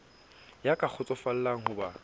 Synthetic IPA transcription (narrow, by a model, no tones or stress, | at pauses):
jakʼak͡xʰʊt͡sʼɔfal̩laŋ̩ɦʊba